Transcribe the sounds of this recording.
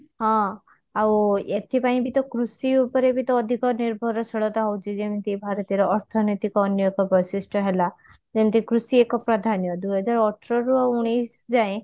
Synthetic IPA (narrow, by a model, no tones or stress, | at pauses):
ɦɔ̃ | awet̪ʰipaĩbit̪ɔkɾusiupɔɾebit̪ɔːd̪ʱikɔniɾbʱɔɾɔsɔɭɔt̪aɦɔwt͡ʃʰid͡ʒemĩt̪ibʱaɾɔt̪iɾɔːɾt̪ʰɔnɔjt̪ikɔːnjɔkɔbɔjsisʈʰɔɦela | d͡ʒemĩt̪ikɾusiekɔpɾɔd̪ʱanjɔd̪uɦɔd͡ʒaɾɔɔʈʰɾɔɾuɔuɽ̃ijsd͡ʒaẽ